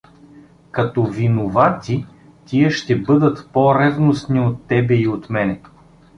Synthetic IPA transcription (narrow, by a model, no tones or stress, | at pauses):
kɐt̪ɔvinovat̪i | t̪iəʃt̪ɛbɤd̪ət̪pɔɾɛvnosniot̪ːɛbɛiot̪mɛnɛ